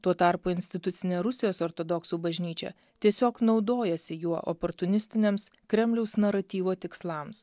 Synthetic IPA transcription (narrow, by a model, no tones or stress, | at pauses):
t̪uɔt̪ɑɾpuːɪnʲsʲt̪ʲɪt̪ʊt̪sʲɪnʲeːɾʊsʲɪjoːsɔɾt̪ɔd̪ɔksuːbɐʒʲnʲiːt͡ʃʲɛ̰ | t̪ʲiɛsʲoːknɒʊd̪oːjɛsʲɪjuɔʔɔ̰pɔɾt̪ʊnʲɪsʲt̪ʲɪnʲeːmskɾʲɛmʲlʲɛʊsnɐɾɐt̪ʲiːʋoːt̪ʲɪkslˠɐms